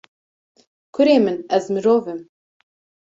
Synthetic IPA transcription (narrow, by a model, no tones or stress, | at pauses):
kʰʊɾeːmɨnɛzmɨɾoːvɨm